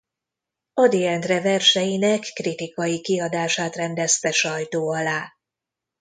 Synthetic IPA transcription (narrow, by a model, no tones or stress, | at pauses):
ɒd̪iɛnt̪rɛvɛrʃɛjinɛkːrit̪ikɒjikiɒd̪aːʃaːt̪rɛnd̪ɛst̪ɛʃɒjt̪oːɒlaː